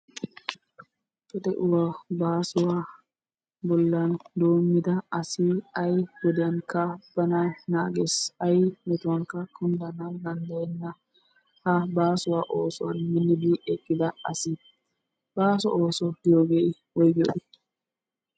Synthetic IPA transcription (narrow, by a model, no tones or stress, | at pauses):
pɛt̪ɛʔʊwabaːsʊwaː | bɔlːɐnd̪o̞ːmːɪd̪ɐɐsɪɐjwɔd̪ɛjɐnkɐb̥ɐnanaːɡesɐjmɛt̪ʊwɐŋkɐkʰʊnd̪ɐnɐd̪ɐnd̪ɐjɛnːɐ | hɐbaːsʊwaʔo̞ːsʊwɐnmɪnːɪbiːʔɛkːɪd̪ɐɐsɪ | b̥aːsɔ̰ʔoːsɔd̪ɪjoɡeː | wɔjɡɪɔ̰ʔɪt̪ː